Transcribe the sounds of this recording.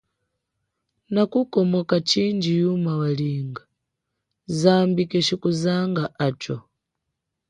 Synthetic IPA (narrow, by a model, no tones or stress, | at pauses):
nakukɔmɔkat͡ʃind͡ʒijumawaliːŋɡa | zambikɛt͡ʃikuzaŋɡaʔat͡ʃɔ̰